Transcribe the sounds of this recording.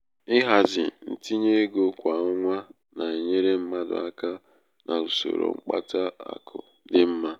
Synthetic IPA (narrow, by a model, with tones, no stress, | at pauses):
ɪ˦ɦa˨zɪ˨n̩˦ti˦ɲe˦ɡo˦kʷa˨˦ŋʷa˦ | na˨e˨ɲe˦ɾe˦m̩˦ma˦dʊ̰˨a˦ka˦ | nʔa˨u˨so̰˨ɾo̰˨ŋ͡m̩˦k͡pa̰˦ta˦a̰˨kʰʊ˨ | dɪ˦m̩˦ma˦